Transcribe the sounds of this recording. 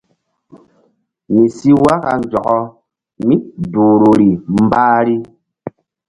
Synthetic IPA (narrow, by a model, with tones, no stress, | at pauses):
mi˨si˦wa˦ka˨n˨d͡ʒɔ˨kɔ˦ | mi˦duː˨ɾo˨ɾi˨m̩˦baː˦ɾi˦